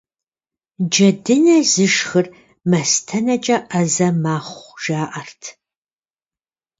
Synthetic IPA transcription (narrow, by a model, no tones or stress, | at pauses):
d͡ʒɐdɨnɐzɨʃxɨr | mɐstʰɐnɐt͡ʃʼɐʔɐzɐmaːχʷʒaːʔɐrtʰ